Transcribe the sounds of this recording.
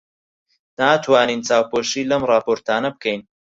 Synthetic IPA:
naːt̪ʰwaːniːnt͡saːwpoːʃiːlɐmrɑːpoːɾt̪aːnɐbɨkʰɛjn

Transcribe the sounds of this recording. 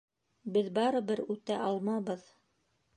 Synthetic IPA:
bɘðbɑɾɤbɘɾʉt̪æʔɑlˠmɑβɤð

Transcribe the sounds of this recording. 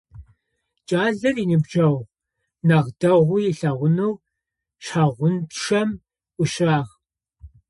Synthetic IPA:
t͡ʃʼaːzɐriːnɨbʒɐw | nɐʁdɐʁʷʊjɪɬɐʁʷʊnɨw | ɕaːʁʷʊntʂɐmʷ | ʊɕaːʁ

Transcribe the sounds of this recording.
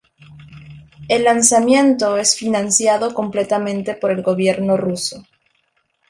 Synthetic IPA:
e̞lːansamje̞nt̪o̞e̞sfinãnsjaðo̞ko̞mple̞t̪amẽ̞nt̪e̞po̞ɾe̞lɣo̞βje̞ɾno̞ruso̞

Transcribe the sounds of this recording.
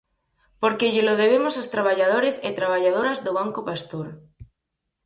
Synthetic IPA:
poɾkeʎɪloðeβ̞emosast̪ɾaβ̞aʎaðoɾeset̪ɾaβaʎað̞oɾazðoβ̞aŋkopast̪uɾ

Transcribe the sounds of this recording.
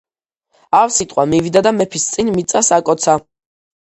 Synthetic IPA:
afsit̪ʼqʼwamivid̪ad̪amɛpʰist̪sʼinmit̪sʼasakʼɔt̪sʰa

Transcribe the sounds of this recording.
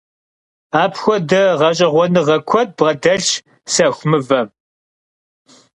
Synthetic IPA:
aːpʰxʷɔdɐʁɐɕʼɐʁʷɔnɨʁɐkʷʰɔt̚b̥ʁɐdɐɮ | sɐxʷmɨvɐ

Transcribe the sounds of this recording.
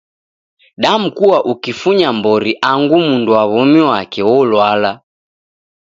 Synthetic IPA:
ɗamukuwaʔukifuɲambɔɾiʔaŋɡumunduwaβɔmiwakɛwɔlwala

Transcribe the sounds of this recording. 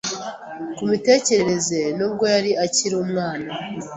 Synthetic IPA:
kumite̞ːce̞ɾeɾe̞ze̞nub̚ɡo̞jaɾiaciɾuːmŋaːna

